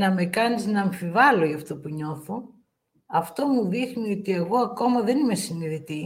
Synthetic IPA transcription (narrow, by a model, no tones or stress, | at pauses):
nɐme̞kɐniznɐːɱfivɐlo̞jɐft̪opuɲo̞θo̞ | ɐft̪o̞muðixnio̞t̪ie̞ɣo̞ɐko̞mɐðe̞nime̞siniðit̪i